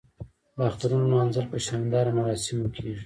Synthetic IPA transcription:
wɑxt̪aɾunmɑnzəlpəʃɑnnd̪ɑɾamaɾɑsɪmwəkʰeʐi

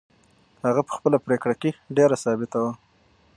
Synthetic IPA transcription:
haɣapə̥xpəlapɾekɽakeɖeɾasɑbɪt̪awa

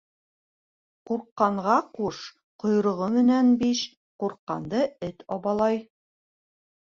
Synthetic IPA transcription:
quɾqːɑɴʁɑquʃ | qŏjɾŏʁɤmɘ̆nænbiʃ | quɾqːɑ̰nd̪ɤɘt̪ɑβɑlˠɑj

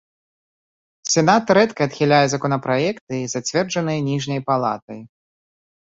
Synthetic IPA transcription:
sʲɛnat̪ɾɛt̪kɐːt̪xʲilʲajɛzɐkɔnɐpɾajɛkt̪ɨizat͡sʲvʲɛrd͡ʐɐnɨjɛnʲiʐnʲɐjpalˠa̰t̪ɐj

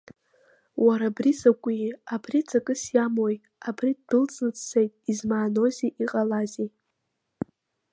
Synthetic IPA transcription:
wʔaɾabrizakʷʼiabrit͡sʰʼakʼɨsjamoj | abridɨlt͡sʼnɨt͡sʰsejtʼizmaːno̞ziʔiqʼalaze

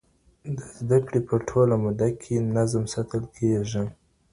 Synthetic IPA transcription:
d̪əzd̪akɽepəʈʰolamʊd̪akʰenazmsat̪əlkʰeʒi

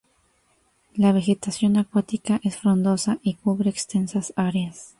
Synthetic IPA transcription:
laβ̞e̞xe̞t̪asjo̞nakwat̪ikaʔe̞sfɾo̞nd̪o̞saʔikuβ̞ɾe̞ːkst̪e̞nsasaɾjas

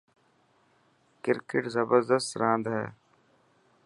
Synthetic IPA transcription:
kɪɾkɪʈzəbəɾd̪əst̪ɾãːnd̪ɦɛ̰ː

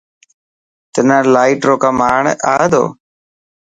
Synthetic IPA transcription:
t̪ənãːlaːiʈɾoːkaːmaːɳaːed̪o̰ː

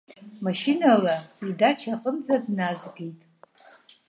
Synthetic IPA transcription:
maʃinalaidat͡ʃʰaqʼəmd͡zadnazɡʲejtʼ

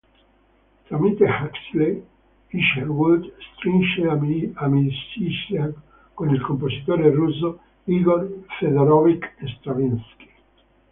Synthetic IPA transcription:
t̪ɾamit̪ehaksle | iʃerwud̪st̪ɾinʃeaamisisa | konilkompozit̪oːɾeruzo | iɡorfed̪eɾɔvikest̪ɾavinski̥

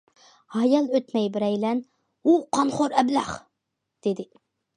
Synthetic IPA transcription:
hɑjɑlˠøt̪mɛjbɪɾɛjlɛn | uqʰɑnχoɾɛblæχ | d̪̥ed̪ɪ

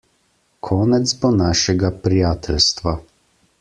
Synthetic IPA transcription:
kʰɔːnɛd̪zbɔnaːʃɛɡapɾijaːt̪ʰɛlst̪ʋa

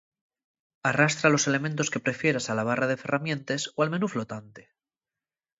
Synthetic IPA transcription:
arast̪ɾalo̞se̞le̞mẽnt̪oske̞pɾe̞fje̞ɾasalaβ̞araðe̞fe̞ramjẽ̞nt̪esoalme̞nuflo̞t̪ant̪e̥

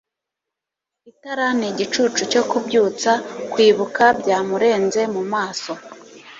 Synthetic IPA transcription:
itaɾaniɟit͡ʃuːt͡ʃuco̞kubɟuːt͡sakwiːβukabɟaːmuɾe̞ːnze̞mumaːso̞

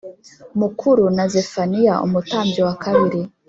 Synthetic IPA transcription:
mukʰuɾunazefanijaṵmutaːmbjowakʰaβiɾi

